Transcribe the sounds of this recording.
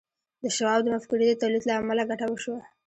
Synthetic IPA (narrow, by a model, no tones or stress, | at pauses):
d̪əʃawɑbd̪əmafkuɾid̪ət̪alit̪laamalaɡaʈawəʃwa